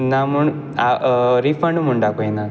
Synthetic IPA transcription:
naːmuɳ | aɾifɐɳɖumuɳɖaːpoːjinːa

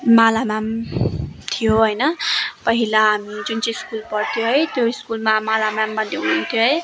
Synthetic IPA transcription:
malamam | t̪ʰijoɦʌjnʌpʌɦilaɦamid͡zunt͡sʌskulpʌrt̪ʰjoɦʌjt̪joiskulmamalamambʌndeɦununt̪ʰjoɦʌj

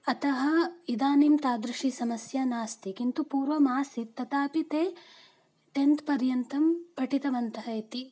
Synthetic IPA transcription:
ɐt̪ɐɦɐid̪aːnimt̪aːd̪ɾiʂisɐmɐsjɐnaːst̪ikint̪upuːɾʋɐmaːsit̪ːɐt̪aːpit̪eː | ʈent̪pɐɾjɐnt̪ɐmpɐʈit̪ɐʋɐnt̪ɐɦɐit̪i

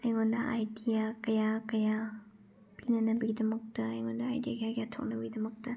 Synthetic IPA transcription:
ajŋonɐʔa̰jdijakɐjakɐja | pinɐnɐbɐɡidɐmɐk̚tɐɐjŋondɐa̰jdiakijakijatʰɔ̰k̚nɐbɐɡidɐmɐk̚tɐ

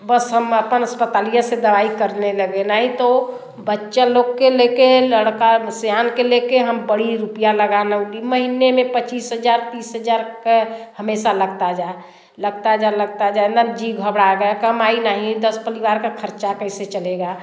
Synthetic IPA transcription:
bəsɦəməpənəspət̪alijased̪əʋaikəɾneləɡenaɦĩt̪o | bətːʃaloɡkːelekeləɽkasjankelekeɦəmbəɽiɾupijaləɡanəuliməɦinemepət͡ʃiːsɦəd͡ʒaɾt̪iːsɦəd͡ʒaɾkehəmesaləɡt̪ad͡ʒae | ləɡ̚t̪ad͡ʒaləɡ̚t̪ad͡ʒaenad͡ʒiɡʱəbɽaɡəkəmainaɦĩd̪əspəɾiʋaɾkekʰəɾt͡ʃakəɦiset͡ʃəleɡa

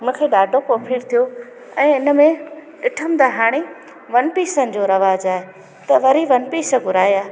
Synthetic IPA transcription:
ʊmũːkʰeːɗaːɖʱokoːpʰiːɾt̪ʰijo | ɛ̃ːɪnə̆mẽɗɪʈʰəmd̪aːɦaːɽ̃i | ʋɐnpiːsənɪ̆d͡ʑoːɾɐʋaːd͡ʑaːɦe | t̪ɐʋɐɾiʋɐnpiːsə̆ɡʊɾaːijaː

